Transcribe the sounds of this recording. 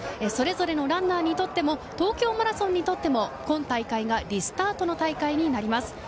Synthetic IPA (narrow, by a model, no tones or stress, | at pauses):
eso̞ɾe̞zo̞ɾe̞no̞ɾãnːaːɲ̟it̪o̞t̪ːe̞mo̞t̪o̞ːkʲo̞ːmaɾasõ̞ɲ̟ːit̪o̞t̪ːe̞mo̞kõ̞nt̪aikaiɡaɾʲisɨ̥t̪aːt̪o̞no̞t̪aikaiɲ̟inaɾʲimasɨ̥